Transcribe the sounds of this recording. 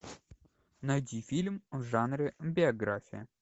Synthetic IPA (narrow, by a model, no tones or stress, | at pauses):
nɐjdʲifʲilʲmvʐanɾʲɪbʲɪɐɡɾafʲɪɪ